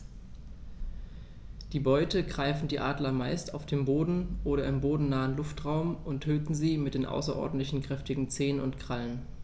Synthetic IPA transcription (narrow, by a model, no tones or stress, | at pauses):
d̥iːbɔʏtəɡʁaɪfn̩diːʔaːdlɐmaɪsta̰ʊfd̥eːmboːdn̩ʔoːɾɐɪmboːdn̩naːənlʊftʁaʊmʊntʰøːtn̩ziːmɪt̚d̥eːnʔa̰ʊsɐʔɔ̰ɐdn̩tlɪçn̩kʁ̥ɛftɪɡŋ̩t͡seːənʊntkʁ̥alən